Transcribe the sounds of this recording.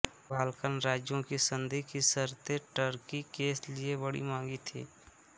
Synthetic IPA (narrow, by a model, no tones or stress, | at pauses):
baːlkənɾaːd͡ʒjõkisə̃nd̪ʱikisəɾt̪eʈəɾkikeːsliebəɽḭmãːŋɡit̪ʰḭː